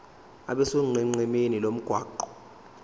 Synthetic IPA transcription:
a̰ɓɛsoŋ͡ǃiŋ͡ǀɛmenilom̩ɡ̥ʱwaːǃɔ̥

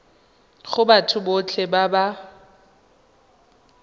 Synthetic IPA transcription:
χʊbatʰʊbot͡ɬʰɛbaba

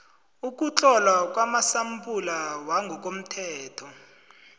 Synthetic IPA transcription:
uk̬ʼut͡ɬʼɔlwak̬ʼwamasampʼulawaŋɡʱɔk̬ʼom̩tʰɛːtʰɔ

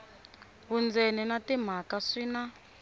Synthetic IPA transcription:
βund͡zɛnɛnatim̤akasiːna

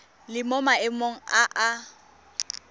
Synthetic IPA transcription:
lɪmɔmaɪmoŋ̩aʔa

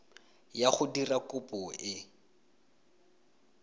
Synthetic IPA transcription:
jaχʊdirakʊpʊʔɪ

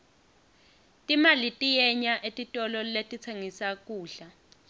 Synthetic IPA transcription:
tʼimalitʼijɛɲaʔetʼitʼɔlɔletʼit͡sʰeŋisak̬ʼuːɬa

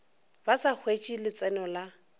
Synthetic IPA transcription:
basak͡xʰwet͡ʃʼilɪt͡sʼɛnɔla

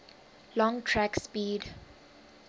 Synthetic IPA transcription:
lɔ̃ŋtʰɹɛkspiːd

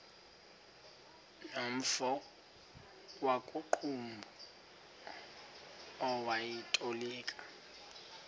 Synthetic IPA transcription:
nom̩fɔ | wakʼuǃʰumbʱu | ɔwajitʼoliːkʼḁ

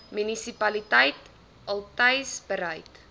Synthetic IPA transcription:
mynisipɐlitɛjt | ɐlˠtɛjsbəɾɛjt

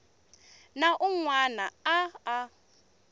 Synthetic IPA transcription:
naʔuŋwanaaː

